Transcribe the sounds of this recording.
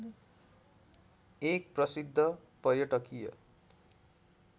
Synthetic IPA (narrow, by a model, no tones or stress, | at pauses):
ek̚prʌsid̪ʱːʌpʌrjʌʈʌkijʌ̰